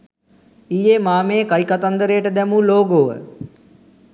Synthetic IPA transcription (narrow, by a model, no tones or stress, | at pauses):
ijeːmaːmeːkajkat̪and̪əɾejəʈəd̪ɛmuːloːɡoːʋə̰